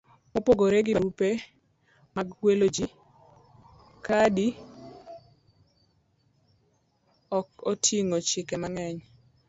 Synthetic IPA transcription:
mopoɡoɾeɡɪaɾupe | maɡwelod͡ʒi | kʰadi | ɔkotʰiŋot͡ʃɪkɛmaŋɛɲ

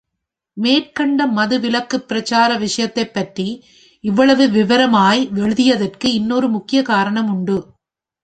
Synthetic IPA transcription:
meːrkɐɳɖɐmɐðɯʋɪlɐkːɯpːɪɾɐt͡ʃaːɾɐʋɪʂɐjɐt̪ːɐɪpːɐʈri | ɪʋːɐɭɐʋɯʋɪʋɐɾɐmaːjʋɛɻɯðɪjɐðɐrkɯɪnːoːɾɯmʊkːɪjɐkaːɾɐɳɐmʊɳɖɯ

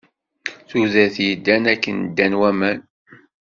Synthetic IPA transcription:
θuðæθjəd̪ːænækːənd̪ːænwæmæn

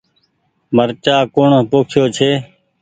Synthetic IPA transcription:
məɾt͡ʃaːkoːɳpoːkʰɪjoːt͡ʃʰeː

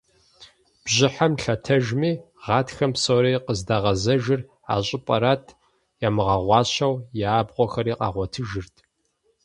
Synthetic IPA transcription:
b̥ʑɪħamɬɐtʰɐʒmiː | ʁɑːtxɐmpsowɾɐjqəzdaːʁɐzɐʒɪr | a̰ːɕʼɪpʼɐɾaːtʰ | jaːmɨʁɐʁʷɑːɕɐwjaːbʁʷɔxɐɾiːqɑ̰ːʁʷɔtʰɨʒɪrtʰ

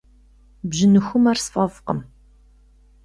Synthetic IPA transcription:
bʑɪnɨxʷʊmarsfʼɐfqə̰m

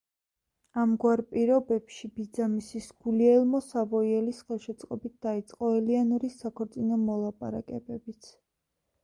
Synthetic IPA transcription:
amɡwaɾpʼiɾɔbɛpʃibid̪zamisisɡ̥uliɛlˠmɔsavɔiɛlisχɛlˠʃɛt̪sʼqʼɔbit̪̚d̪̥ait̪sʼqʼɔɛlianɔɾisːakʰɔɾt̪sʼinɔmɔlˠapʼa̰ɾakʼɛbɛbit̪sʰ

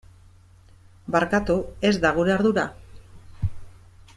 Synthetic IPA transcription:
baɾkat̪ue̞zd̪aɣ̞uɾeaɾðuɾa

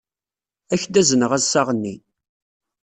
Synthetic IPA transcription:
æçd̪æzənəʁæzsɑʁənːi

